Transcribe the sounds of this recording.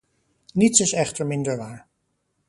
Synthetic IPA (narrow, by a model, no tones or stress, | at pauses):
nitsɪsɛχtəɹmɪndəɹʋaːɹ